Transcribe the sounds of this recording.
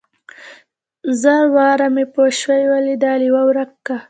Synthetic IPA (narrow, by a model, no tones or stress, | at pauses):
zawɑːɾamepoʃwajwalid̪ɑːliwawɾakːa